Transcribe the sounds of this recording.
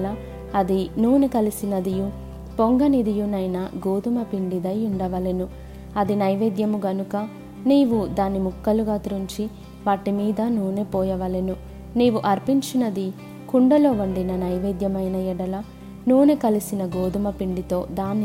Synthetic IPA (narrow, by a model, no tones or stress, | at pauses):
lɐ | ɐd̪inuːnekɐlisinɐd̪iju | poŋɡɐnid̪ijunɐjnɐɡoːd̪umɐpiɳɖid̪ɐjuɳɖɐʋɐlenu | ɐd̪inɐjʋeːd̪jɐmuɡɐnukɐ | niːʋud̪aːnimukːɐluɡaːt̪uɾuɲt͡ʃi | ʋaːʈimiːd̪ɐnuːnepɔːjɐʋɐlenu | niːʋuʔɐɾpiɲt͡ʃinɐd̪i | kuɳɖɐlo̞ːʋɐɳɖinɐnɐjʋeːd̪jɐmɐjnɐjɛɽɐlɐ | nuːnekɐlisinɐɡoːd̪umɐpiɳɖit̪o̞ːd̪aːni